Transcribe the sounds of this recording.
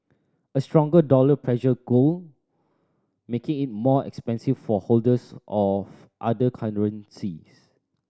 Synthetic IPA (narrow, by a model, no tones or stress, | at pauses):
əstɹɔ̃ŋɡədɔləpʰɹɛʃəɡol | mekɪ̃ŋɪt̚mɔɛ̰kspɛ̃nsiffɔholdəsɔf | ʔa̰dəkʰãnɹə̃nsis